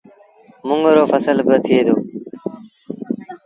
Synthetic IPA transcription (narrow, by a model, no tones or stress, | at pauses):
mʊŋɡɾoːfəsəlbət̪ʰɪeːd̪oː